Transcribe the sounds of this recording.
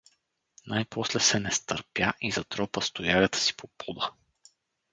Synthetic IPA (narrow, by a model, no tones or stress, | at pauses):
najpʰɔslɛsɛnɛst̪əɾpjaʔizɐt̪ɾɔpəst̪ojaɣət̪ə̥si̥pʰopɔd̪ə